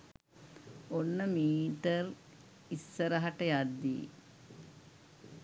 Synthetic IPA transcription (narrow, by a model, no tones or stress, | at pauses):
onːəmiːʈər | isːəɾɐɦaʈəjad̪ːḭː